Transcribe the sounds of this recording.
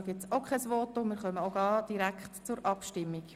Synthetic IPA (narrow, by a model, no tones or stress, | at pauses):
ɡɪtt͡sokχɛsʋɔːtʊmɪːɾχœməoɡ̥ɑːd̥iɾækχtt͡sʊɾʔɑpʃtɪmːik